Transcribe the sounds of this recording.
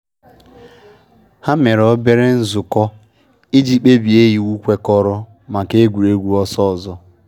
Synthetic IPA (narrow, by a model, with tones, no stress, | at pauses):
ha˦me˨ɾɔ˦be˦ɾe˦n̩˦zʊ˨kɔ˦ | i˦d͡ʒi˦k͡pe˦bi˨e˦ɦi˨wu˦kʷe˦kɔ˦ɾɔ˦ | ma˨ke˦ɡʷu˨ɾe˦ɡʷu˦ɔ˦sɔ˦˨zɔ˦